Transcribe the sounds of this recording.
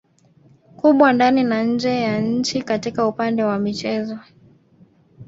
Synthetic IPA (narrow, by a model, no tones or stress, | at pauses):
kuɓwandaninaɲ̩d͡ʒɛjaɲ̩t͡ʃikatikaupandɛwamit͡ʃɛzɔ